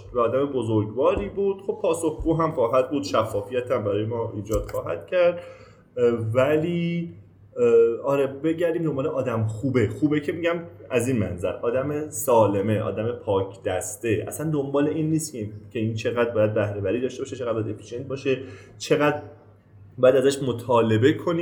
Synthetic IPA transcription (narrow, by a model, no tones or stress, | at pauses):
væɒːd̪æme̞bozoɾɟbɒːɾiːbuːd̪̥̚xo̞b̥pʰɒːso̞xɡuːɦæmχɒːɦæd̪̚buːd̪̥ʃæfːɒːfijæt̪ʰæmbæɾɒːjemɒːiːd͡ʒɒːd̪̥xɒːɦæ̰d̪̥̚cʰæɾd̪̥ | væliː | ɒːɾe̞be̞ɟæɾd̪iːmd̪o̞mbɒːleʔɒːd̪æmxuːbexuːbecʰe̞miɟæmæziːnmænzæ̰ɾʔɒːd̪æmesɒːle̞me̞ʔɒ̰ːd̪æme̞pʰɒːcʰd̪æst̪e̞ʔæ̰sænd̪o̞mbɒːle̞ʔiːnːiːst̪cʰecʰeiːnt͡ʃʰe̞ɣæd̪̚bɒːjæd̪̚bæhɾe̞bæɾiːd̪ɒːʃt̪e̞bɒːʃet͡ʃʰeɣæd̪bɒjæd̪efi̥ʃiet̪̚bɒːʃet͡ʃʰe̞ɣæd̪ | bɒːjæd̪æzæʃmot̪ʰɒːle̞be̞kʰo̞niː